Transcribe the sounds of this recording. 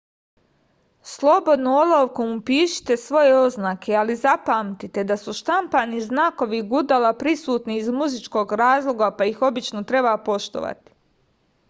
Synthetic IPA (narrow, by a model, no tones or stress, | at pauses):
slˠo̞bo̞d̪noolˠoʋkomupiːʃi̥t̪e̞sʋo̞je̞o̞znaːkʰe̞alizapaːmt̪it̪e̞d̪asuʃt̪ampaniznaːko̞ʋiɡud̪alapɾisuːt̪niːzmuzit͡ʃko̞ːɡɾaːzlˠo̞ɡapajixo̞bit͡ʃnot̪ɾe̞bapo̞ʃt̪o̰ʋa̰t̪i̥